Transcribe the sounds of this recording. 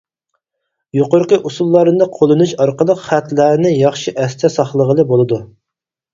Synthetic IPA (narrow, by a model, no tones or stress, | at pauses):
joqoɾqəʔusulˠːɑɾɨd̪ɨqʰolˠɨnuʃɑɾqəlˠəqχæt̪læɾnɪjɑχʃiʔɛst̪ʰɛsɑχlˠəʁəlˠɨbolˠɨd̪u